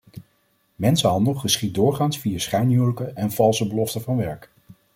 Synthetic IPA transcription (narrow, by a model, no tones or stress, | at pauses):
mɛnsəɦɑndəlˠχəsχidʊːɹχaːnsfijasχɛjnɦywləkəʔɛnv̥ɑlˠsəbəlɔftəvɑnʋɛɹk